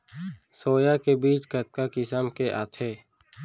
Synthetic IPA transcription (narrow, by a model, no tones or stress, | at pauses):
soːjakebiːt͡ʃkət̪̚kakisamkeʔa̰ːt̪ʰeː